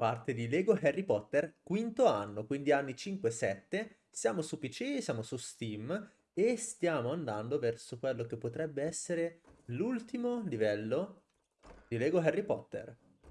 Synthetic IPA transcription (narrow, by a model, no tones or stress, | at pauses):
part̪ed̪ilɛːɡoɦɛrːipɔt̪ːerkwint̪oanːokwind̪ianːit͡ʃiŋkwesɛt̪ːe | sjaːmosupit͡ʃisjaːmosust̪im | est̪jaːmoand̪and̪ovɛrsokwelːok̟epːot̪ɾɛbːeɛsːeɾelult̪imolivɛlːo | d̪ilɛːɡoɦɛrːipɔt̪ːḛr